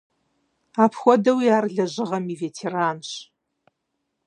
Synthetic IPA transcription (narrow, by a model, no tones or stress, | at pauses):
aːpʰxʷɔdɐwiaːrɮɐʑɪʁɐmiːveːtʰeːraːnɕ